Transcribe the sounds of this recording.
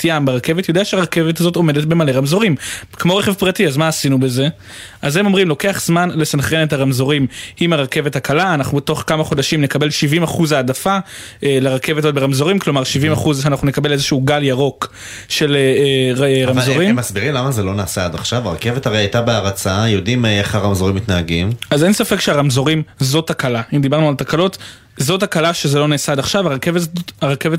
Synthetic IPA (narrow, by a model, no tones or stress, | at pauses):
t̪iambeʁake̞vetjodeaʃeaʁake̞vetazo̞to̞me̞detbe̞male̞ʁamzo̞ʁimkmo̞ʁeχe̞vpʁatiazmaːsinube̞ze̞ | ʔaze̞mo̞mʁimlo̞ke̞aχz̥manle̞sanχenetaʁamzo̞ʁimimaʁake̞vethakʰalaːnaχnubeto̞χkamaχo̞daʃimne̞kabe̞lʃivimaχuzaːdafa | eleʁake̞vetazot̚beamzo̞ʁimklo̞maʁʃivimaχuzanaχnune̞kabe̞lezeʃuuɡaljaʁo̞k | ʃe̞leeʁamzoʁimmasbiʁimlamazelo̞naːsaad̪aχʃavaʁake̞vetaʁejajtabeaʁat͡sajo̞dimeχaʁamzo̞ʁimitnaaɡimazensafekʃeaʁamzo̞ʁimzothakalaimd̪ibaʁnualt̪akalo̞t | zo̞thakalaʃezelo̞neːsaadaχʃavaʁakeveaʁake̞ve